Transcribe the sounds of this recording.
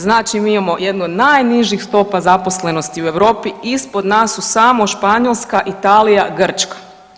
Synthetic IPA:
znaːt͡ʃimiːimamo̞jed̪noːd̪naːjniʒixst̪o̞pazapo̞sle̞no̞st̪iue̞ʋɾo̞ːpiispo̞d̪naːsːusaːmo̞ʃpaɲolˠskaʔit̪aːlijaɡr̩t͡ʃkḁ

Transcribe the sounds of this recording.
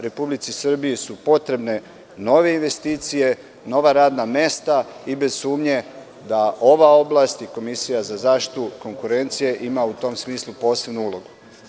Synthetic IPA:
ɾe̞publit̪sisr̩bijisupo̞t̪ɾe̞bne̞ | no̞ʋe̞inʋe̞st̪iːt̪sije̞ | no̞ʋaɾaːd̪namje̞st̪aibe̞zsuːmɲe̞ | d̪aʔo̞ʋao̞blˠast̪iko̞misijazazaːʃt̪i̥t̪uko̞ŋkuɾe̞nt̪sije̞ʔimaut̪o̞msmiːslupo̞ːse̞bnuulˠo̞ɡu

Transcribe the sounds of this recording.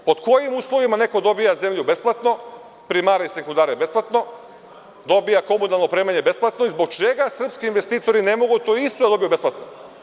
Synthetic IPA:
po̞d̪ko̞jimuːslˠoʋimane̞ko̞d̪o̞bijaze̞mʎube̞splˠat̪no̞ | pɾimaːɾeisekund̪aːɾebe̞splˠat̪no̞ | d̪o̞bijako̞munalˠno̞pɾe̞ːmaɲe̞be̞splˠat̪noizbo̞ɡ̚t͡ʃe̞ɡasr̩pskiːnʋe̞st̪iːt̪o̞ɾine̞mo̞ɡut̪oist̪oed̪o̞bijube̞splˠat̪no

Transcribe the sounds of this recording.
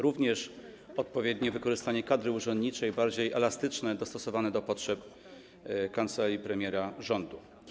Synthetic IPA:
ɾuvɲɛʂ | ɔt̪̚pɔvjɛd̪ɲɛvɘkɔʐɘst̪aɲɛkad̪ɾɘuʐɛnd̪ɲit͡ʂɛjbaɾd͡ʑejʔɛlast̪ɘt͡ʂnɛd̪ɔst̪ɔsɔvanɛd̪ɔpɔtʂɛp | kant̪sɛlʲipɾɛmʲjɛɾaʐɔnd̪u

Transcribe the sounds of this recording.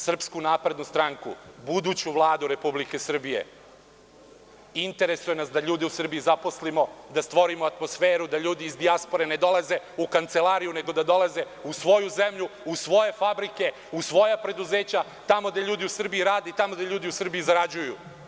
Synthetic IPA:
sr̩pskunaːpɾe̞d̪nust̪ɾaŋkṵbud̪uːt͡ɕuʋlˠaːd̪uɾe̞publike̞sr̩bije̞̰ | int̪e̞ɾe̞suje̞nasd̪aʎuːd̪iusr̩biizapo̞slimo̞d̪ast̪ʋo̞ɾimoat̪mo̞sfeːɾud̪aʎuːd̪iːzd̪iaspo̞ɾe̞ne̞d̪o̞lˠaze̞ | ukant̪se̞laːɾijune̞ɡo̞d̪ad̪o̞laze̞ | usʋo̞juze̞mʎuusʋo̞je̞fabɾike̞ | usʋo̞japɾe̞d̪uze̞ːt͡ɕa | t̪amoɡd̪eʎuːd̪iusr̩biiɾaːd̪et̪amod̪eʎuːd̪iusr̩bijizaɾad͡ʑujṵ

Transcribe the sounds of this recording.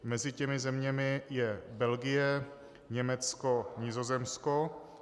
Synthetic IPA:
mɛzɪcɛmɪzɛmɲɛmɪjɛbɛlɡɪjɛ | ɲɛmɛt͡skoɲɪzozɛmsko

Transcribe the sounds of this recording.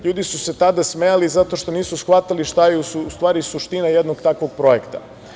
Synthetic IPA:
ʎuːd̪isuse̞t̪ad̪asmejalizat̪o̞ʃt̪o̞niːsusxʋat̪aliʃt̪ajeusust̪vaːɾisuʃt̪inajed̪noɡt̪akʋo̞ɡ̚pɾo̞jekt̪a̰

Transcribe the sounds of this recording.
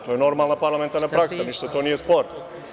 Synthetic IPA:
t̪ojenoɾmalˠnapaɾlˠament̪aɾnapɾaksaniʃt̪ot̪onijɛspoɾ

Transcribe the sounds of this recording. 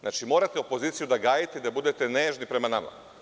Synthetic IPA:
zna̰t͡ʃimo̞ːɾat̪eo̞po̞ziːt̪sijud̪aɡaːjit̪eid̪abud̪et̪e̞ne̞ːʒnipɾe̞manama̰

